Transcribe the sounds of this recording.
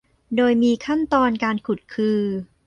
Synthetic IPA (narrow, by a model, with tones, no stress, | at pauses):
doː˧jmiː˧kʰa˥˩nt̪ɔː˧nkaː˧nkʰu˨˩t̪̚kʰɯː˧